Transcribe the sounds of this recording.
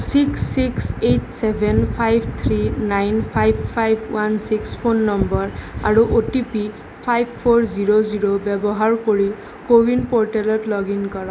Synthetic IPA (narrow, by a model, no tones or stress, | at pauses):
siksːiksetsɛbʱɛnpʰajbʱt̪ʰɹinajnpʰajbʱpʰajbʱwansikspʰonːɔmbɔɹaɹuʔotipi | pʰajbʱpʰːoɹziɹoziɹobɛbɔɦaɹkoɹi | kowinpɔɹʈalɔtlɔɡinkɔɹɔ̃